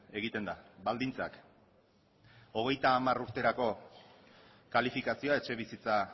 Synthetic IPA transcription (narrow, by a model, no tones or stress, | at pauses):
e̞ɣ̞it̪e̞nd̪abald̪int͡sak | o̞ɣ̞e̞jt̪aːmaɾuɾt̪e̞ɾako̞ | kalifikasio̞ae̞t͡ʃe̞βisit͡sa